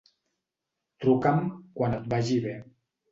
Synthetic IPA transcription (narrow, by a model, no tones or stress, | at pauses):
t̪ɾukamkwanət̪̚baʒiβe